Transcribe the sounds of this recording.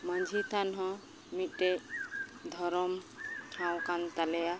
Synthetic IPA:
mənd͡ʒʱit̪anɦɔ̃ | miʈe | d̪ʱɔɾɔmtʰãw̃kant̪aleja

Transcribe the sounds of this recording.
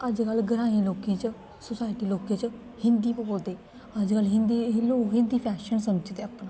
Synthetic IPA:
əd͡ʒkəlɡəɾaːẽloːkĩːt͡ʃə | sʊsaːɪʈiːloːkẽːt͡ʃə | hɪ̃nd̪iːpəkold̪eː | əd͡ʒkəlɦɪnd̪iloːkɦɪ̃nd̪iːpʰɛːʃənsəmd͡ʒt̪eːapna

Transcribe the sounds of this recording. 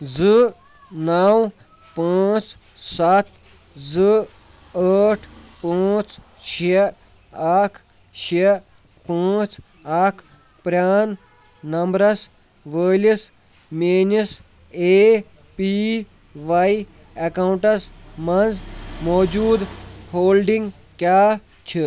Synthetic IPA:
zɨ | naw | paːt͡ʃ | sɐt̪ʰ | zɨ | əːʈʰpãːt͡ʃ | t͡ʃʰe | aːkʰ | t͡ʃʰe | pãːt͡ʃ | aːkʰ | pɾʲaːnː | ɐmbɾɐs | ʋəːlis | meːnis | eː | pi | ʋɐj | ɐkɐwuɳʈɐsmɐnzmɔːd͡ʒuːd̪hoːlɖiŋɡ | kjaː | t͡ʃʰi

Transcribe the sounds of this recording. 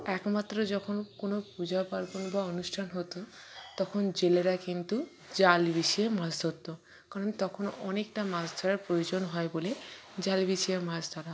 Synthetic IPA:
ɛkmat̪ːɾod͡ʒɔkʰonkonopud͡ʑapaɾkonbaonusʈʰanɦot̪o | t̪ɔkʰond͡ʑeleɾakint̪u | d͡ʑalbisiemasd̪ʱot̪ːo | kaɾont̪ɔkʰonɔnekʈamasd̪ʱɔɾaɾpɾojod͡ʑonɦɔebole | d͡ʑalbisiemasd̪ʱaɾa

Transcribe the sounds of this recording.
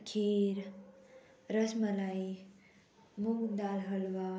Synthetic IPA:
kʰiɾ | ɾəsməlaj | muɡd̪alɦəlʋa

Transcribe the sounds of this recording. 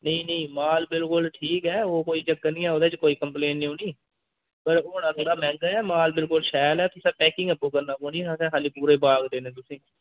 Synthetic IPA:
nəĩːnəĩːmaːlbɪlkʊlʈʰiːkɛːoːkoːiːt͡ʃəkːanĩːɛːɦoːd̪eːt͡ʃkoːiːkəmpleːnnĩːɦõːniː | pəɾoːnãːsd̪aːmɛ̃ːŋɡaɛːmaːlbɪlkʊlʃɛːlɛːt̪ʊsɛːpɛːkɪ̃ŋɡəpːoːkəɾnaːkoːniːãːsɛ̃ːkʰaːliːpuːɾeːbaːɡd̪eːnẽːt̪ʊsĩː

